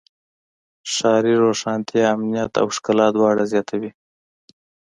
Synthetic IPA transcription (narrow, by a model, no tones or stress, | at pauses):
ʃɑɾiɾoʂɑːnt̪ʰijaːmnijat̪a̰wɪʃkalɑd̪wɑɽazjɑt̪ʰawi